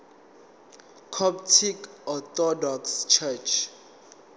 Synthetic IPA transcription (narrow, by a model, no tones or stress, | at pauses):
kʰɔp̚tʰikɔt̪ɔdɔkst͡ʃʰɛt͡ʃʰ